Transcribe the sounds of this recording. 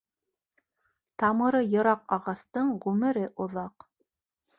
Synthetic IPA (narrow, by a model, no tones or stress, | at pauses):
t̪ɑmɤ̆ɾɤjɤ̆ɾɑqɑʁɑst̪ɤɴʁʉmɘ̆ɾɘʔŏðɑq